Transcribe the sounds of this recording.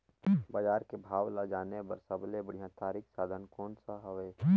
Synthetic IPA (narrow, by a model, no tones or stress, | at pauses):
bəd͡ʒaːɾkebʱaːʋlad͡ʒaːnebəɾsəblebəɽ̤ijãt̪aːɾiːkʰsaːd̪ʱənkɔːnsaɦəʋeː